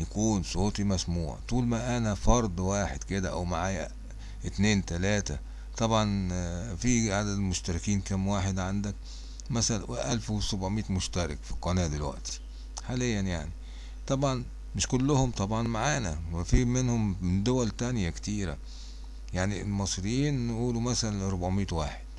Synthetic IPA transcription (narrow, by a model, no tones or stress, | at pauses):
jækuːnsˤoːt̪ˤimæsmuːʕ̰t̪ˤuːlmæʔænæfɑɾˤd̪ˤwaːħed̪ked̪æʔæwmaʕaːjæ | ʔɪt̪neːnt̪ælæːt̪æ | t̪ˤɑbʕɑnfiʕad̪æd̪moʃt̪æɾɪkiːnkæmwaːħed̪ʕand̪æk̚ | mæsælweʔælfwesobʕomiːt̪moʃt̪æɾɪkfi̥qɑnæːd̪elwæ̰ʔt̪i̥ | ħaːlejːænjaʕni | t̪ˤɑbʕɑn | mɪʃkʊlːʊhʊmt̪ˤɑbʕɑnmaʕaːnæwefiːmɪnhʊmd̪owælt̪ænjækt̪iːɾæ̰ | jaʕnielmɑsˤɾejːiːnnʔuːlumæsælænɾobʕmiːt̪waːħe̥d̪̥